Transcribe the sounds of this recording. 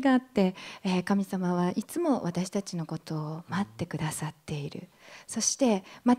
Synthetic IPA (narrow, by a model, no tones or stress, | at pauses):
ɡaːt̪ːe̞ekamʲisamaβaʔit͡sɨmo̞βat̪aɕi̥t̪at͡ɕino̞ko̞t̪o̞ːmat̪ːe̞kɯ̟d̪asat̪ːe̞iɾɯ̟̰ | so̞ɕi̥t̪e̞ma